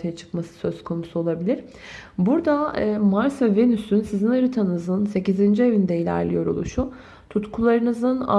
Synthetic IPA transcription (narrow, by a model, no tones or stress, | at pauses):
t̪ʰajat͡ʃʰɯ̥kmasɯ̥sø̞zkʰo̞nusuo̞lˠabilʲiɾ̥ | buɾd̪amaɾsvɛve̞nysynsizinɯɾɯt̪ʰanɯzɯnse̞cizind͡ʒie̞vind̪ɛilʲæ̰ɾlʲḭjo̞ɾo̞̰lˠuʃu | t̪ʰut̪kʰulˠaɾɯnɯzɯna̰